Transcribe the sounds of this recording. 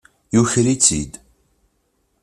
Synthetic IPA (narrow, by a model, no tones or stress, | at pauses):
juçɾit͡sḭd̪